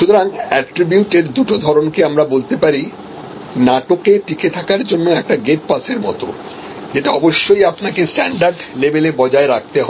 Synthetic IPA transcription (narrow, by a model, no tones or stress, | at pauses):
ʃut̪oɾaŋɛʈɾibjuʈeɾd̪uʈod̪ʱɔɾonkeamɾabolt̪epaɾi | naʈokeʈiket̪ʰakaɾd͡ʑonːeɛk̚ʈaɡeʈ̚paseɾmɔ̰t̪o̰ | d͡ʑeʈaɔboʃːojapnakesʈɛɳɖaɾɖlebelebɔd͡ʑaeɾak̚t̪eɦɔe